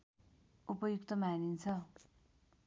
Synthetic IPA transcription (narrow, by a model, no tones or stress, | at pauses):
upʌjukt̪ʌmanint͡sʰʌ